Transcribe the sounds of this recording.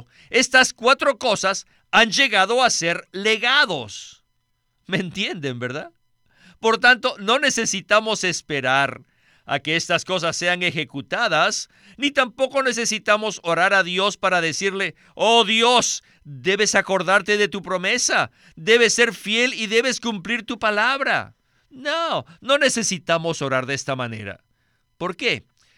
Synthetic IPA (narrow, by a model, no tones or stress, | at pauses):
e̞st̪askwat̪ɾo̞ko̞sas | and͡ʒe̞ɣaðo̞ase̞ɾle̞ɣaðo̞s | ment̪je̞nd̪embeɾða | po̞ɾt̪ant̪o̞no̞ne̞se̞sit̪amo̞se̞spe̞ɾaɾ | a̰ke̞est̪asko̞s̬asːe̞aŋe̞xe̞kut̪aðas | nit̪ampo̞ko̞ne̞s̬e̞sit̪amo̞so̞ɾaɾaðjo̞spaɾaðe̞siɾle̞ | oðjo̞s | d̪e̞βe̞sakoɾðaɾt̪e̞ðe̞t̪upɾo̞me̞sa | d̪e̞βe̞sːe̞ɾfje̞liðe̞βe̞skumpliɾt̪upalaβɾa̰ | nono̞ne̞se̞sit̪amo̞so̞ɾaɾðeest̪amane̞̰ɾa̰ | po̞ɾke̞